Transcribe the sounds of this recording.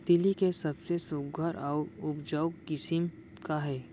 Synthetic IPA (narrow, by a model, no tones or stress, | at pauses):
t̪ɪlikesɐbsesoɡʱəɾʔaʊʊpd͡ʒaʊkɪsɪm | kaɦɛː